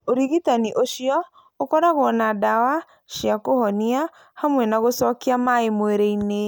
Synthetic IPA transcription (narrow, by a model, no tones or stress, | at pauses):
oɾiɣitaniʔoʃiɔ | okɔɾaɣɔnadawa | ʃiakohɔnia | hamwɛnaɣosɔkiamaemoeɾeine